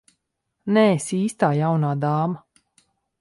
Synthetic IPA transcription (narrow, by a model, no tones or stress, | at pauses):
nɛsiːst̪aːjawnaːd̪aːma